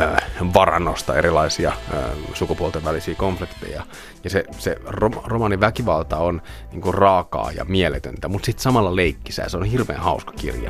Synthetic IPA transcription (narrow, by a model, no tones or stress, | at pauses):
øːʋɑrɑ̰nːost̪ɑerilɑisiɑ̰ːsukupuolt̪eʋʋælisiːkoɱflikt̪ḛjɑ | jɑseseroromɑniʋækiʋɑlt̪ɑon | niːŋkurɑːkɑ̰ːjɑ̰mielet̪ø̰nt̪æmut̪sit̪sɑmɑlːɑleikːisæ̰seonhirʋḛːnhɑuskɑ̥kḭrjɑ̰